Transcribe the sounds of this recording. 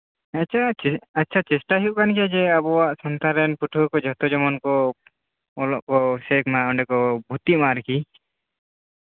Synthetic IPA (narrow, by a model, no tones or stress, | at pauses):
at͡ʃʰaatːt͡ʃʰat͡ʃɛsʈaɦiuʔkankiad͡ʒɛabɔwaʔsɔnt̪aɾɛnpuʈʰukɔd͡ʒʱɔt̪ɔd͡ʒɔmɔnkɔ | ɔlɔʔkɔsɛknaɔɳɖɛkɔbʱut̪imaɾki